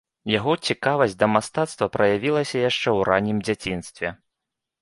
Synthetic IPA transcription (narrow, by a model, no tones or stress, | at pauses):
jaɣɔt͡sʲikavɐsʲtʲd̪ɐmast̪at̪st̪vɐpɾɐjavʲilˠɐsʲɐjaʂt͡ʂɛwɾanʲimd͡zʲat͡sʲinst̪vʲɛ